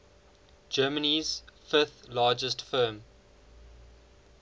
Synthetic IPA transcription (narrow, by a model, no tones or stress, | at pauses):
d͡ʒɜːməniz̥fɪθlɑːd͡ʒəstfɜːm